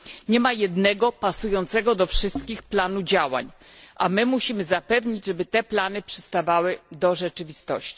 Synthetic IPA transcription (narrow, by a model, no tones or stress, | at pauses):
ɲɛmajɛd̪nɛɡɔpasujɔnt̪sɛɡɔd̪ɔfʂɘst̪kʲixplanud͡ʑawa̰ɲʔamɘmuɕimɘzapɛvɲid͡ʑʐɛbɘt̪ɛplan̪ɘpʂɘst̪avawɘd̪ɔʐɛt͡ʂɘvʲist̪ɔ̰ɕt͡ɕi̥